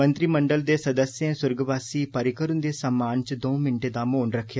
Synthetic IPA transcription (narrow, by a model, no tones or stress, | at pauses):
ənt̪ɾiːməɳɖəld̪eːsəd̪əsjẽːsʊɾɡʋaːsiːpəɾɪkəɾənd̪eːsəmːaːnt͡ʃd̪õːmɪnʈeːd̪aːmoːɳɾəkʰːjaː